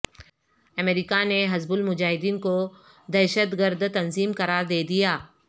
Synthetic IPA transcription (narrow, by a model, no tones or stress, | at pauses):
ɐmeːɾikaneɦɐzbʊlmʊd͡ʒaːɦɪd̪iːnko | d̪ɛːʃət̪ɡəɾd̪t̪ɐnziːmkɐɾaːɾd̪eːd̪ijaː